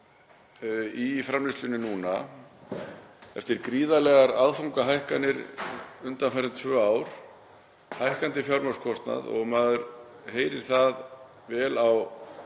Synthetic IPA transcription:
ifɾamlɪst̪ʏnɪnuːna | ɛ̰ft̪ɪɾkɾiːðalɛɣaɾaðfuwŋkaɦajhkanɪɾʏnt̪anfaɾɪnt̪ʰvœːaːwɾ̥ | hajhkant̪ɪfjawɾmœskʰɔst̪na̰ðɔ̰ɣmaːðʏɾ | heːjɾɪɾ̥θað | vɛːlaw

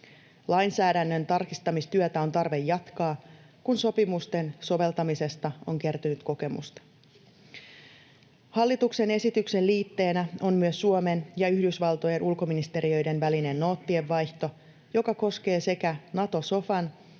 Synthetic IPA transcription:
lɑjnsæːdænːø̞nt̪ɑrkist̪ɑmist̪yøt̪æo̞nt̪ɑrʋe̞jːɑt̪kɑː | kunso̞pimust̪e̞nso̞ʋe̞lt̪ɑmise̞st̪ɑo̞̰ŋk̟e̞rt̪ynyt̪ko̞ke̞mṵst̪ɑ̥ | hɑlːit̪ukse̞ne̞sit̪ykse̞lliːt̪ːe̞ːnæo̞mːyøsːuome̞njɑyhdysʋɑlt̪o̞je̞nʔulko̞minist̪e̞ɾiø̞jde̞nʋæline̞nːo̞ːt̪ːie̞ʋːɑjçt̪o̞ | jo̞kɑko̞ske̞ːse̞kænɑt̪o̞so̞fɑn

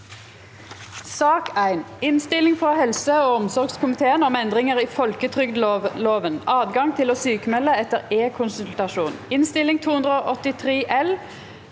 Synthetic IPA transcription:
sɑːkʰæɪnɪnst̪ɪlɪŋfʁɑhɛlsəoːɔmsɔʁɡskʰʊmɪt̪ʰeːənɔmɛnd̪ʁɪŋəʁiːfɔlkət̪ʰʁʏɡd̪loːʋənʔɑːd̪ɡɑŋt̪ʰɪloːsyːkəmɛlːəɛt̪əʁeːkʰʊnsʉlt̪ɑʃuːnɪnst̪ɪlɪŋt̪ʰuːhʉnd̪ʁəoːʔɔt̪ɪt̪ʰʁeːʔɛl

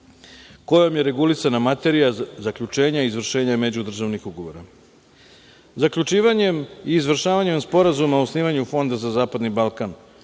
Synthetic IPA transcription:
ko̞jomje̞ɾe̞ɡulisanamat̪e̞ɾijazakʎut͡ʂe̞ːɲaizʋr̩ʃe̞ːɲamed͡ʑud̪r̩ʒaʋnixuɡo̞ʋo̞ɾa | zakʎut͡ʂiːʋaɲe̞miːzʋr̩ʃaːʋaɲe̞mspo̞ɾazumausniːʋaɲufo̞nd̪azazaːpad̪nibalˠkan

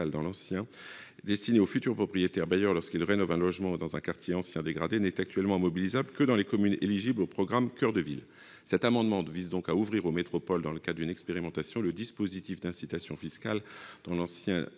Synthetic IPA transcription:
ald̪ɑ̃lɑ̃sjɛ̃ | d̪ɛst̪ineofyt̪yʁpχɔpχijet̪ɛʁbajœʁlɔʁskilʁenɔvɛ̃lɔʒmɑ̃d̪ɑ̃zɛ̃kaʁt̪ʰjeɑ̃sjɛ̃d̪eɡʁad̪enɛt̪ak̚t̪ɥɛlmɑ̃mɔbilizablkəd̪ɑ̃lekɔmyneliʒiblopχɔɡʁamkœʁd̪əvḭl | sɛt̪amɑ̃d̪mɑ̃d̪vizd̪ɔ̃kauvʁiʁomet̪χɔpɔld̪ɑ̃ləkad̪ʁd̪ynɛkspeʁimɑ̃t̪asjɔ̃ləd̪ispozit̪ifd̪ɛ̃sit̪asjɔ̃fiskald̪̥ɑ̃lɑ̃sjɛ̃

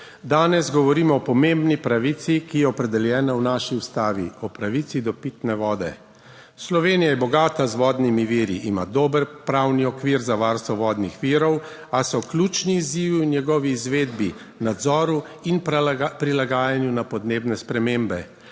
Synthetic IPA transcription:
d̪aːnɛzɡɔʋɔɾiːmɔːpɔmembnipɾaʋit̪sikijɛɔpɾɛd̪ɛljɛːnawnaːʃiust̪aːʋḭɔpɾaʋit̪sid̪ɔpit̪nɛʋɔːd̪ɛ̰ | slɔʋeːnijajɛbɔɡaːt̪azʋɔːd̪nimiʋiːɾiʔima̰d̪oːbəɾpɾawniɔkʋiːɾzaʋaɾst̪ʋɔʋɔːd̪nixʋiːɾɔw | asɔklʲut͡ʃniːziːʋunjɛɡɔːʋiːzʋeːd̪bi | nad̪zɔːɾu | inppɾilaɡaːjanjunapɔd̪neːbnɛspɾɛmeːmbɛ

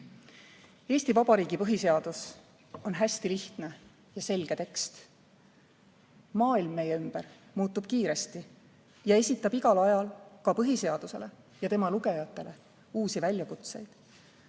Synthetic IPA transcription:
e̞ːsʲt̪ivɑb̥ɑɾiːɡ̥ipɤɦise̞ɑd̪̥us | o̞nɦæsʲt̪iliht̪ne̞ | jɑse̞lɡ̥e̞t̪e̞kst̪ | mɑːilmːe̞jeymb̥er | muːt̪ːˑub̥̚kiːɾe̞st̪i | jɑe̞sʲit̪ːˑɑb̥iɡ̥ɑlɑjɑlkɑpɤɦise̞ɑd̪̥use̞̰le̞ | jɑt̪e̞mɑluɡe̞jɑt̪ˑːe̞le̞ | uːsivælʲjɑkut̪se̞jd̪̥

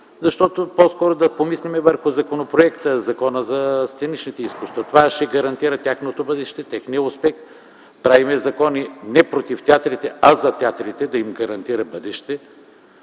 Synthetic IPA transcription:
zɐʃt̪ɔt̪opɔskɔɾod̪ɐpomislʲimɛvəɾxʊzɐkonopɾoɛkt̪əzɐkɔnəzɐst̪ɛnit͡ʃnit̪ɛiskust̪vɐt̪ovaʃɛɡɐɾɐnt̪iɾɐt̪ʲjaxnot̪obɤd̪ɛʃt̪ɛt̪ɛxnijəʊspɛx | pɾavimɛzɐkɔninɛpɾot̪ift̪ʲat̪ɾit̪ɛɐzɐt̪ʲiat̪ɾit̪ɛd̪ɐimɡɐɾɐnt̪iɾɐbɤd̪ɛʃt̪ɛ

